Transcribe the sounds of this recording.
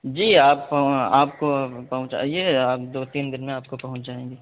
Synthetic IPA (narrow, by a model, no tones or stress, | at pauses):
d͡ʒiːaːpːɐɦaːpkopɐɦʊ̃t͡ʃa̰jeaːpd̪oːt̪iːnd̪ɪnmẽaːp̚kopɐɦʊ̃t͡ʃd͡ʒaːẽːŋɡeː